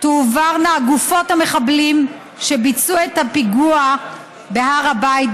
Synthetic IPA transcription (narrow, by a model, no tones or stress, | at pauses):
tuːvaʁneaɡufo̞thame̞χablim | ʃebit͡suethapiɡua | beɦaʁabajt